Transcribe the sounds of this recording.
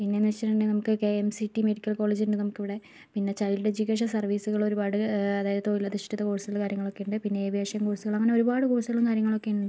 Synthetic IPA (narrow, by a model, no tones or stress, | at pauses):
pinːenːit͡ɕːiʈːiɳɖenɐmukːɨkeemsiʈːimeɽikʲːɐlkoːɭed͡ʑiunɖɨnɐmukːiʋiɽe̞ | pinːe̞t͡ɕɐjlɽed͡ʑukːeːʂ̬ɐsɐrʋiːsuɣɐɭo̞ɾubaːɽɨɐðaːjiðɐt̪oːjilːɐd̪iʂʈɐt̪ːɐkoːɻsuɣɐɭkaːɾjɐŋːɐɭo̞kːe̞juɳɖɨpinːe̞ːbʱjeːʂjɐmkoːɻsuɣɐɭɐŋːɐneo̞ɾubaːɽɨkoːɻsuɣɐɭumkaːɾjɐŋːɐɭo̞kːe̞juɳɖɳɖɨ